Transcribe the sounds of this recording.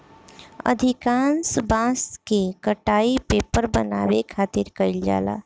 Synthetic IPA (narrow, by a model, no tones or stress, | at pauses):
ə̰d̪ʱikaːnsbãːskekəʈaːipeːpəɾbəna̰bekʰaːt̪ɪɾkəɪld͡ʒa̰ːla̰ː